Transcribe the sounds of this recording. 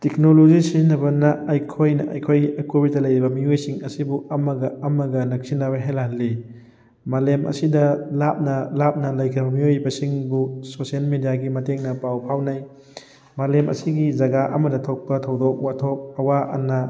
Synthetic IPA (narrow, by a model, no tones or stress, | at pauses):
tek̚nolozisizinːɐbɐnɐːjkʰojnɐ̰ʔɐ̰jkʰojɐkobidɐlɐjɾibɐmiojsiŋɐsibuɐmɐɡɐɐmɐɡɐnɐk̚sinːɐbɐɦelaɦɐlːi | malemʔɐ̰sidɐlap̚nɐlap̚nɐlɐjkʰɾɐbɐmiojbɐsiŋbusosielmedijaɡimɐteŋnɐpawpʰawnaj | malemʔɐ̰siɡizɐɡaʔɐ̰mɐdɐtʰok̚pɐtʰɐwdok̚watʰok̚ɐwaʔɐ̰nːɐ